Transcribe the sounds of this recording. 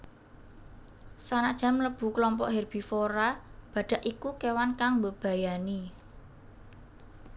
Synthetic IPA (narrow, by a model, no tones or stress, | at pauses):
sanaʔd̥ʒ̥a̤mləb̥ṳklɔmpɔ̰ʔɦerb̥i̤foɾab̥ä̤ɖ̥ä̤ʔikukewankaŋbəb̥ä̤jani